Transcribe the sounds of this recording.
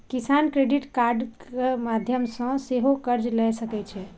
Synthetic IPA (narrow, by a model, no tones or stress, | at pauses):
kisankɾeɖiʈkaɾɖkemad̪ʱjəmsə̃seɦokəɾd͡ʒlɛsəkɛt͡ʃʰɛ